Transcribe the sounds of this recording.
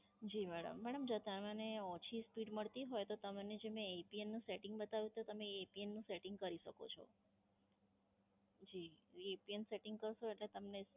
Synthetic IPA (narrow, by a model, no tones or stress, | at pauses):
d͡ʒimɛɽə̰mːɛɽəmd͡ʒət̪amaneɔ̃t͡ʃʰispiɖməɭt̪iɦojt̪ot̪əmned͡ʒemɛ̃epienːũseʈɪ̃ŋɡbət̪aʋjũt̪ot̪əmeepienːũseʈɪŋɡkəɾiʃəko̰t͡ʃʰɔ̰ | d͡ʒiepienseʈɪ̃ŋɡ̚kəɾʃoeʈlet̪əmne